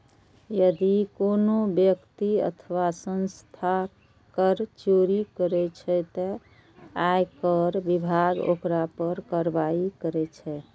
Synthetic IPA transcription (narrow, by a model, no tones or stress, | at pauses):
jəd̪ikonobjəkt̪iə̰t̪ʰəʋasənst̪ʰa | kəɾt͡ʃoɾikəɾɛt͡ʃʰɛt̪ɔ | ajkəɾbibʱaɡo̰kɾapəɾkəɾbaikəɾɛt͡ʃʰɛ